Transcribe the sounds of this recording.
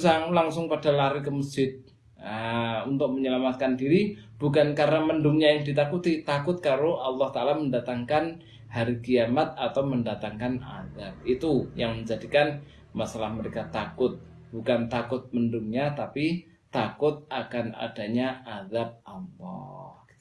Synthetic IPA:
saŋlaŋsʊŋpadalaɾikəməsɪd̪̚ | unt̪ʊk̚məɲəlamat̪̚kandiɾi | b̥ukankaɾənaməndʊŋɲajaŋdit̪akut̪it̪akʊt̪̚kaɾoʔɑlːɑht̪aalaməndat̪aŋkan | haɾikiamat̪̚at̪awməndat̪aŋkana̰ðab̚it̪ujaŋməɲd͡ʒadikan | masalahməɾekat̪akʊt̪̚ | b̥ukant̪akʊt̪̚məndʊŋɲat̪api | t̪akʊt̪̚akana̰d̥a̤ɲaʔaðab̚ampɔ̰h

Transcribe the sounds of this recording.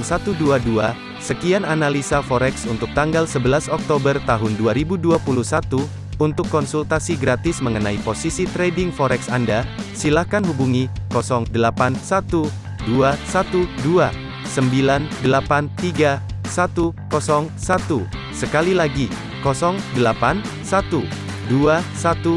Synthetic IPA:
msat̪uduadua | səkiananalisafɔɾɛksunt̪ʊk̚t̪aŋɡalsəbəlasɔk̚t̪obərt̪aɦʊnduaɾibuduapuluhsat̪uː | nt̪ʊkːɔnsult̪asiɡɾat̪ɪsməŋənaiposisit̪ɾedɪŋfɔɾɛksandasilahkanɦubuŋikɔsɔŋdəlapansat̪u | duasat̪udua | səmbilandəlapant̪iɡasat̪ukɔsɔŋsat̪u | səkalilaɡi | kɔsɔŋdəlapan | sat̪u | duasat̪u

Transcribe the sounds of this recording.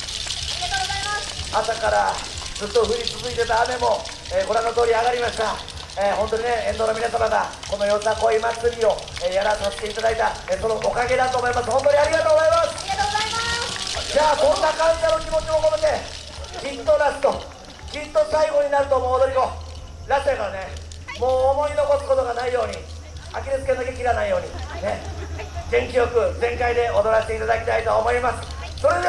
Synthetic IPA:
asakaɾad͡zɨt̪ːo̞ɸɯ̟ɾʲit͡sɨzɨit̪e̞t̪aːme̞mo̞ | eːkoɾanːot̪o̞ːɾʲiaɣaɾʲimaɕi̥t̪a | eːɦont̪o̞ɲine̞ẽ̞nd̪o̞ːnominasamaɡa | ko̞nojo̞sako̞imat͡sɨɾʲio̞eːjaɾasaɕi̥t̪eit̪ad̪ait̪aeso̞nookaɡe̞d̪at̪oːmo̞imasɨ̥hõ̞nt̪oɲ̟iaɾʲiɡat̪oːɡozaimasɨ̥ | d͡ʑaːkõ̞nːakãd͡ʑidano̞kʲimo̞t͡ɕimokot̪oke | kʲit̪ːo̞ɾasɨ̥t̪o̞ | kʲit̪ːo̞saiɡo̞ɲ̟inaɾɯ̟t̪o̞moːd̪o̞ɾʲiɡo̞ | ɾaseɡane | moːmo̞ɲino̞ko̞sɯ̥ko̞t̪o̞ɡanaijo̞ːɲ̟i | akʲiɾɯt͡sɨ̥kend̪akekʲiɾanaijo̞ːɲ̟ine̞ | zẽ̞ŋkʲiɾo̞kɯ̟zẽ̞ŋkaid̪e̞o̞d̪o̞ɾaɕt̪e̞it̪ad̪akʲi̥t̪ait̪o̞ːmo̞imasɨ̥ | so̞ɾe̞d̪e

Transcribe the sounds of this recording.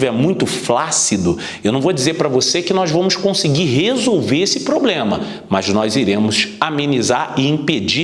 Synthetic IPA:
vɛmũj̃t̪ʊflasid̪ʊ | ewnɐ̃w̃vod͡ʒizepɾɐvosekɪnɔzvɐ̃mʊskõsiɡiɾɦezowveɾesɪpɾoblẽmɐ | mɐznɔziɾẽmʊsamẽnizaɾɪĩped͡ʒi

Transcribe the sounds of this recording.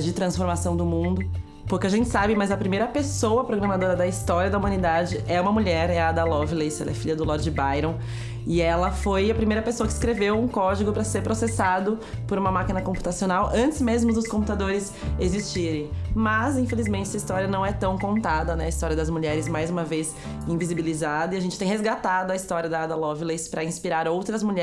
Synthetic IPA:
d͡ʒɪt̪ɾɐ̃sfoɾmasɐ̃w̃d̪ʊmũnd̪ʊ | pʊɾkɪaʒẽnt͡ʃɪ̥sabɪmɐzɐpɾimejɾɐpesowɐpɾoɡɾɐmad̪oɾɐd̪ɐist̪ɔɾiɐd̪ɐumɐ̃nid̪ad͡ʒɪʔɛũmɐmuʎɛɾɛɐd̪ɐlɔvɪlesɛlɛɐfiʎɐd̪ʊlɔɾd͡ʒɪbajɾɐ̃w̃ | ɪɛlɐfojɐpɾimejɾɐpesowɐkɪskɾevewũkɔd͡ʒiɡʊpɾɐseɾpɾosesad̪ʊ | poɾũmɐmakinɐkõmpu̥t̪asionawʔɐ̃nt͡ʃ̪ɪzmezmʊd̪ʊskõput̪ad̪oɾɪz | ezist͡ʃiɾẽj̃mɐzĩfelizmẽnt͡ʃɛsɐist̪ɔɾiɐnɐ̃w̃ɛt̪ɐ̃w̃kõnt̪ad̪ɐnɛɐist̪ɔɾiɐd̪ɐzmuʎɛɾɪzmajzũmɐvez | ĩvizibilizad̪ɐiaʒẽnt͡ʃɪ̥t̪ẽj̃hezɡat̪ad̪ʊɐist̪ɔɾiɐd̪ɐad̪ɐlɔvilespɾɐĩspiɾaɾowt̪ɾɐzmuʎɛ

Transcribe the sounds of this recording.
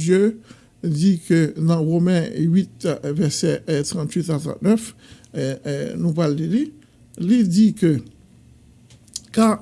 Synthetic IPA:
jø | dikønɑ̃ʁomɛ̃ɥit̪vɛʁsɛt̪ʁɑ̃t̪ɥit̪at̪ʁɑ̰̃t̪nœf | nũpalːili | lidikø | ka

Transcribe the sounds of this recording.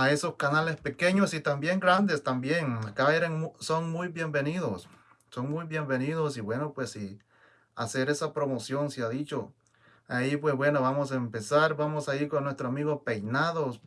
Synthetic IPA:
ae̞so̞skanale̞spe̞ke̞ɲosit̪ambje̞ŋɡɾand̪e̞st̪ambje̞ŋakaeɾeŋsoŋmujbje̞mbe̞niðosː | oŋmujbje̞mbe̞niðosiβwe̞nopwesi | a̰se̞ɾe̞sapɾo̞mosjonsjaðit͡ʃo | aipwe̞sβwe̞noβamos̬aempe̞saɾbamosaiɾkonːwe̞st̪ɾoamiɣope̞jnaðo

